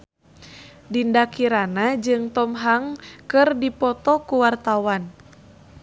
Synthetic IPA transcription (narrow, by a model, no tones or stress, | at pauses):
dindakiɾanad͡ʒɨŋt̪ɔmɦaŋkɨrdipɔt̪ɔkuwart̪awan